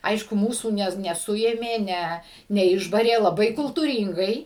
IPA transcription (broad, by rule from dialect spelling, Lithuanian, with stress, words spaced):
ˈɐɪʃkʊ ˈmuːsuː ˈnʲɛ nʲɛˈsʊeːmʲeː ˈnʲɛ nʲɛˈɪʒbɐrʲeː lˠɐˈbɐɪ kʊlˠtuːˈrʲiːŋɡɐɪ